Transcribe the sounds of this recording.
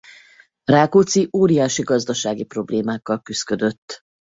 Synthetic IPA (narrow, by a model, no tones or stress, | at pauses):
raːkot̪siʔoːɾijaːʃiɡɒzd̪ɒʃaːɡipro̞bleːmaːkːɒlkyskø̞d̪ø̞t̪ː